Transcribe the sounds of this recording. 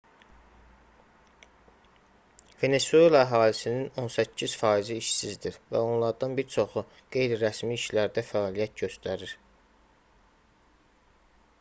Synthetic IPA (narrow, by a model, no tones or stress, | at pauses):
ve̞ne̞sue̞lɑæɦɑːlisinino̞nsæcʰːiz̥fɑːiziːʃsizd̪iɾvæ̰o̞nlˠɑɾd̪ɑnbiɾt͡ʃʰo̞χu | ɡ̥e̞jɾiɾæsmiːʃlæɾd̪æfæɑːlijæt̪ɟø̞st̪æɾiɾ̥